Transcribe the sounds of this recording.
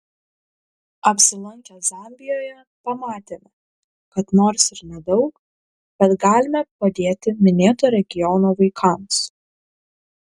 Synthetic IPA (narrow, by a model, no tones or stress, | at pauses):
ɐpʲsʲɪlˠɐŋʲkʲɛzɑːˑmʲbʲɪjoːjɛ | pɐmɑːt̪ʲeːmʲɛ | kɐt̪noːɾsɪɾnʲɛd̪ɒʊk | b̥ʲɛt̪ɡɑːlʲɪmʲɛpɐd̪ʲeːt̪ʲɪmʲɪnʲeːt̪oːɾʲɛɡʲɪjɔnoːʋɐɪkʰɑms